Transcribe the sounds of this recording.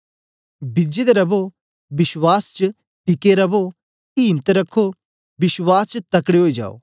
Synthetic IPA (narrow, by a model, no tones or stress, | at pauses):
bɪd͡ʒed̪eɾɐbo | bɪswaːst͡ʃ | ʈɪkeɾɐbo | iːnt̪ɾɐkʰːo | bɪswaːst͡ʃt̪ɐkɽeɦoːid͡ʒa̰ːo̰ː